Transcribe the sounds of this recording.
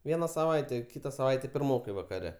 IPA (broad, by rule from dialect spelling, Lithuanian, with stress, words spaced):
ˈʋʲiɛnɐ sɐˈʋɐɪtʲɛ ˈkʲiːtɐ sɐˈʋɐɪtʲɛ pʲɪrˈmoːkɐɪ ʋɐkɐˈrʲɛ